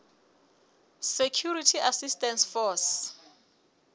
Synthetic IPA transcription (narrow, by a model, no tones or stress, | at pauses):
sekʰjuɾitʰiasistʼɛnsfɔs